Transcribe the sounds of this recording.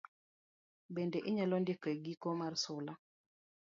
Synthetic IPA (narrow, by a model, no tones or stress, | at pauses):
bendeʔiɲalɔndikɔeɡikomarsʊla